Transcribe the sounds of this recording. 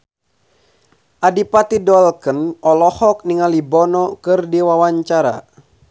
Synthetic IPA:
ʔadipat̪idɔlkənɔlɔhɔk̚niŋalibɔnɔkɨrdiwawaɲt͡ʃaɾa̰

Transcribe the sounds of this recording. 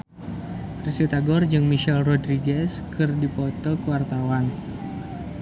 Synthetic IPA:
risit̪aɡɔrd͡ʒɨŋmiʃɛlrɔdɾiɡɛskɨrdipot̪ɔkəwart̪awan

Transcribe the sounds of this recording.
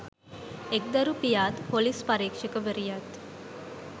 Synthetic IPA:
ek̚d̪ɐɾupijaːt̪polispɐɾiːkʂɐkəʋeɾijat̪

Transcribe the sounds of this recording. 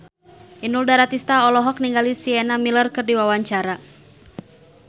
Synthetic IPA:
ʔinuldaɾat̪ist̪aɔlɔɦɔk̚niŋɡalisiɛnamilərkɨrdiwawaɲt͡ʃaɾa

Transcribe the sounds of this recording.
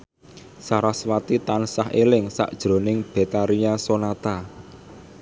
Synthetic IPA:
saɾaswat̪it̪ansaɦelɪŋsa̰ʔd̥ʒ̥ɾo̤nɪŋb̥e̤t̪aɾijasonat̪a

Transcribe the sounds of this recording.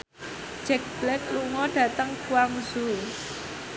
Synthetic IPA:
d͡ʒ̥ɛk̚b̥lɛk̚luŋɔɖ̥ä̤t̪əŋkuwaŋsu

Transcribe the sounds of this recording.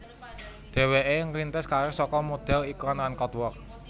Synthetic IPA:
d̪̥e̤weʔeŋɾint̪ɪskaɾosɔkɔmod̪̥ɛ̤likɔnlankɔt̪wɔk̚

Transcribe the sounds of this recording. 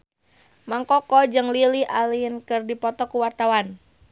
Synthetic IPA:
maŋkɔkɔd͡ʒɨŋliliʔaliənkɨrdipɔt̪ɔkuwart̪awan

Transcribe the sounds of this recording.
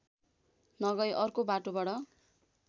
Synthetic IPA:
nʌɡʌjʔʌrkobaʈobaɽʌ

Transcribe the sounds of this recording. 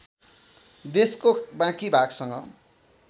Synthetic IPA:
d̪eskobãkibʱaɡsʌŋɡʌ̰

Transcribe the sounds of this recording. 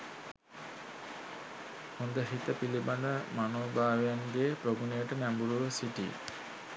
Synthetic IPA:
hond̪əɦit̪əpiliband̪əmanoːbaːʋejaŋɡeːpɾoɡunejəʈənæmbuɾuʋəsiʈḭː

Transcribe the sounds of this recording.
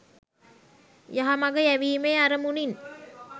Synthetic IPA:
jaɦamaɡəjæʋiːmeːaɾəmunin

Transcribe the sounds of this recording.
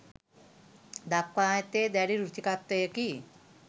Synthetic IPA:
d̪akːaet̪ed̪aɽiɾut͡ʃikat̪ːəjeki

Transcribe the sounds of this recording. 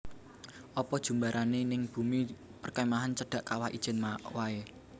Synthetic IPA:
ʔɔpɔd̥ʒ̥ṳmbaɾʔanenɪŋb̥ṳmipərkamaɦant͡ʃəɖ̥a̤ʔkawahḭd̥ʒ̥ɛ̤nmaʔwae

